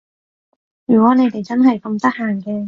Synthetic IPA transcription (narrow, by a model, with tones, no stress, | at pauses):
jyː˨˩kwɔː˨˥ne˨˧jt̪e˨˩jt͡sɐ˥nɦɐ˨jkɐ˧mt̪ɐ˥k̚haː˨˩ŋkɛː˧